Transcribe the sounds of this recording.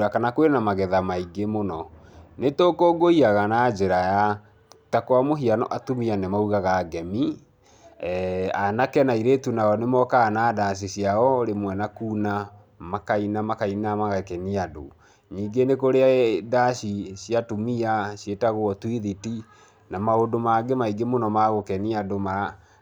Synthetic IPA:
ɾakanakwenamaɣɛðamaiɡemonɔ | netokoːɡoiaɣanad͡ʒeɾaja | takowamoɦianɔ̰ʔatumianemauɣaɣaɡɛmi | anakɛnaiɾetunaɔnemɔkaɣanadaɕ̬iɕiaɔɾemwɛnakuːna | makainamakainamaɣakɛniado̰ | ɲiːŋɡenekoɾeaðaɕiɕiatumiaɕjetaɣwɔtwiðiti | namaodomaɡemaiɡemonɔmaɣokɛniadomaɾa

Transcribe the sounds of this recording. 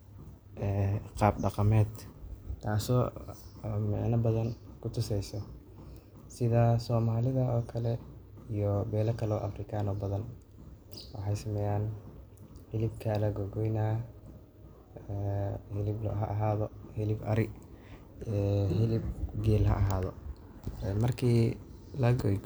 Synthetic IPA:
ʔɛːqɑːb̚ɖɑqɑmɛːd̪t̪ʰaːsɔː | mɛ̰ʕnɐbɐðɐnkʰʊt̪ʰʊsɛjsɔ | sɪðasɔːmaːlɪðɐʔɔːkʰɐlɛ | ijɔbɛːlɐkʰɐlɔːʔɐ̰frɪkʰaːnɔbɐðɐn | wɑ̰ħɑjsɐmɛːjaːn | hɪlɪbkʰalɐɡɔɡɔjnaː | hɪlɪblɔ̰ɦɐʔɐɦaːðɔhɪlɪbɐɾɪ | ɛhɪlɪb̚ɡɛːlɦɐ̰ʔɐɦaːðɔ | mɐrkʰiː | lɐɡɔj

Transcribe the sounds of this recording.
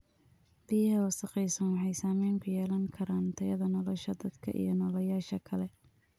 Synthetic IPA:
b̥ɪjɐɦɛwɐsɐqɛjsɐnwɑħɑjsaːmɛjŋkʰʊjɛːlɐŋkʰɐɾaːnt̪ʰɐjɐðɐnɔlɔʃɐd̪ɐd̪kʰɐ̰ʔḭjɔnɔːlɐjaːʃɐkʰɐlɛ

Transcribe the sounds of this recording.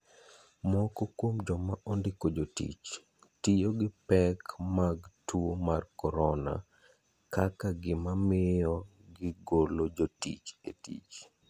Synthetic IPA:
mɔkɔkwomd͡ʒɔmaʔondɪkod͡ʒotḭt͡ʃ | tijoɡɪpɛkmaɡtuomarkɔɾɔna̰ | kakaɡɪmamɪjɔ | ɡɪɡolod͡ʒotḭt͡ʃetḭt͡ʃ

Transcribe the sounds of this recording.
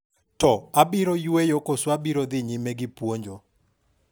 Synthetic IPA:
tɔabiɾojuejokoswabiɾod̪ɪɲɪmeɡɪpwoɲd͡ʒo

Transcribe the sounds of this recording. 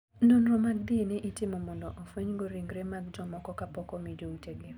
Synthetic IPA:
nonɾɔmaɡ̚dinɪʔitɪmɔmɔndɔʔofweɲɡoɾiŋɡɾemaɡ̚d͡ʒɔmɔkɔkapɔkɔmid͡ʒouteɡɪ

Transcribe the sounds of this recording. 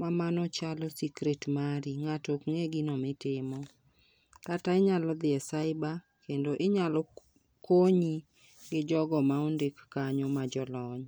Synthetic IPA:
mamanɔt͡ʃalɔsikɾetmaɾiŋatokŋeɡinɔmɪtɪmɔ | kataɪɲalɔd̪ɪɛsaɪba | kendoʔɪɲalɔ | koɲi | ɡɪd͡ʒɔɡɔmaondekːaɲɔmad͡ʒɔlɔɲ

